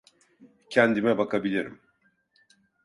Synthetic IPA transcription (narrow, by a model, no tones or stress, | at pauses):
cʰɛnd̪imɛbakʰabilʲiɾḭm